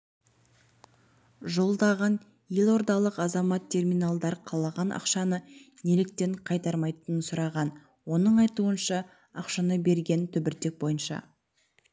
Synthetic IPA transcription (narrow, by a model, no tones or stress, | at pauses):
ʒo̞lˠd̪ɑʁɑn | jelˠo̞ɾd̪ɑlˠəqɑzɑmɑt̪ʰːe̞rmijnɑlˠd̪ɑɾqʰɑlˠɑʁɑnʔɑ̰qʃɑnənelɪk̚t̪e̞ɴqʰɑjt̪ɑɾmɑjt̪ənənsʊɾɑʁɑn | wo̞nəɴɑjt̪uənʃɑ | ɑqʃɑnəbe̞ɾɡʲe̞nt̪ʰʏbɪɾt̪e̞k̚bo̞jənʃɑ̰